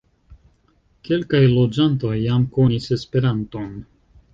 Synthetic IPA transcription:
ke̞lkajlo̞d͡ʒanto̞jːamko̞nise̞spe̞ɾanto̞n

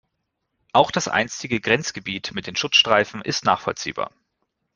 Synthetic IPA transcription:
ʔaʊxd̥asʔa̰ɪnstɪɡəɡʁɛnt͡sɡ̥əbiːtmɪt̚d̥eːnʃʊt͡sʃtʁ̥aɪfn̩ʔɪstna̰ːχfɔ̰lt͡sḭːba̰ːɐ

